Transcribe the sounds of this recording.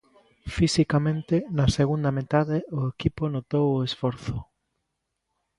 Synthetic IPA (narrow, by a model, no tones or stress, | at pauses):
fisikamẽnt̪enaseɣ̞und̪amet̪aðeʊekiponot̪owoesfɔɾθo